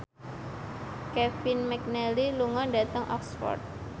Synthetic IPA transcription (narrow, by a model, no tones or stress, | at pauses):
kɛfinmɛk̚nɛliluŋɔnɖat̪əŋʔɔ̰ksfɔ̰rt̪̚